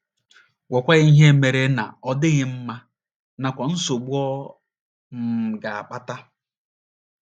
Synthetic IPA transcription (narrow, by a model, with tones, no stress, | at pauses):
wɔ˨kʷa˦ɣi˦ɦe˦me˨ɾe˨na̰˨ɔ˦dɪ˦ɣɪ˦m̩˦ma˦ | na˨kʷɔ˨n̩˦so˨ɡ͡bu˦ɔ˦ | m̩˨ɡa˨a̰˨k͡pa˦ta˦